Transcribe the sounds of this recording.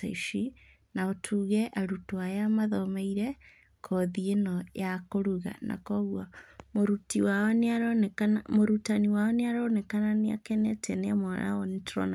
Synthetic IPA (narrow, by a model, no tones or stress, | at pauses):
a̰iʃi | naotʰuɣɛʔaɾutwajamaðɔmeiɾɛ | kʰɔðienɔjakoɾuɣa̰na̰kɔɣwamoɾutiwanaɾɔnɛkanmoɾutaniwaɔneaɾɔnɛkananea̰kɛnɛtɛneamɔɾa̰ɔnitɾɔ̰na